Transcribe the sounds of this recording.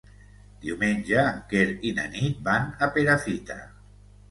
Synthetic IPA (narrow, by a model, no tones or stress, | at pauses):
d̪̥iwmenʲd͡ʒaːŋkeɾina̰nit̪̚banapeɾafit̪a̰